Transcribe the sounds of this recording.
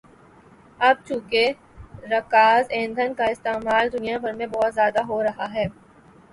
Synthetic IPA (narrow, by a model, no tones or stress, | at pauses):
ɐb̚t͡ʃũːke | ɾɐkaːzẽːnd̪ʱənkaɪst̪eːmaːld̪ʊnijabʱɐɾmẽbɔɦːt̪zjaːd̪aɦoɾɐɦaɦɛː